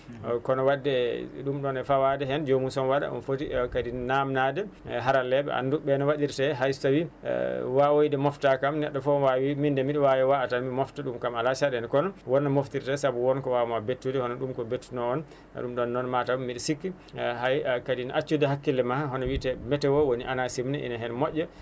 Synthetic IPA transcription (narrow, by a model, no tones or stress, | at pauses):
kɔnɔwadːɛɗumɗɔnɛfawadɛɦɛnd͡ʒomusɔnwaɗa̰ʔɔ̰nfotikadinnamnadɛɦaɾalːɛɓɛ̰a̰nduɓɛnɔwaɗiɾtɛɦajtawḭwawojdɛmɔftakamnɛɗːɔfɔnwawimindɛmiɗɛwawiwaatanmimɔftaɗumkamalat͡ʃaɗɛnkɔnɔwɔnːamoftiɾtɛsabuwɔnkɔwamabetːudɛhɔnɔɗumkɔbetːunɔɔn | a̰ɗumɗɔnːɔnmatamːiɗɛsikːi | ɦajkadinʔat͡ʃːudɛɦakːilːɛmaaɦɔnɔwitɛmɛtɛwɔwoniʔanasimnɛʔḭnaɦɛnmɔʔʲːɔ